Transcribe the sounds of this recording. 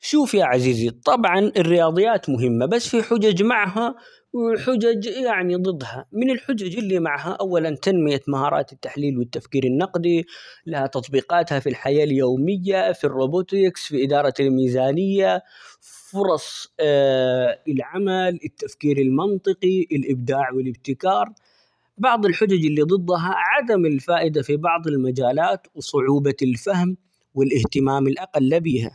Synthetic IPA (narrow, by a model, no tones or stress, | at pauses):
ʃuːfjaːʕaziːzit̪ˤɑbʕɑnɪrːɪjɑːd̪ˤɨjːaːt̪mʊɦɪmːabasːfiħʊd͡ʒad͡ʒmaʕɦa | wɪlħʊd͡ʒad͡ʒjaʕnid̪ˤɨd̪ːhamɪnɪlħʊd͡ʒad͡ʒɪlːiːmaʕɦaʔawːalant̪anmɪjamaɦɑːɾˤɑ̰ːt̪ɪt̪ːaħliːlwɪt̪ːafkiːɾɪnːɑqd̪ilahat̪ɑt̪ˤbiːqɑːt̪hafilħajaːljoːmɪjːafirːoːbot̪ɪksfiʔɪd̪ɑːɾˤɑlmiːzaːnɪjːa | fʊɾˤɑsˤ | ɪlʕamalɪt̪ːafkiːɾɪlmɑnt̪ˤɨqiʔɪlʔɪbd̪aːʕwɪlɪb̚t̪ɪkɑːɾˤ | bɑʕd̪ˤɪlħʊd͡ʒad͡ʒɪlːid̪ˤɨd̪ˤːɦɑʕad̪amɪlfaːʔɪd̪afibɑʕd̪ˤɪlmad͡ʒaːlaːt̪wsˤʊʕuːbalfahm | wɪlʔɪht̪ɪmaːmɪlʔɑqalːbiːɦa̰